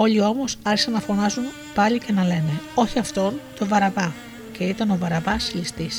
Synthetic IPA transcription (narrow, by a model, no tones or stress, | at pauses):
o̞lio̞mo̞sɐɾçisɐnːɐfo̞nɐzun | pɐlice̞nɐle̞ne̞o̞çiɐft̪o̞nt̪o̞vɐɾɐbɐ | ce̞it̪ɐno̞vɐɾɐbɐslist̪is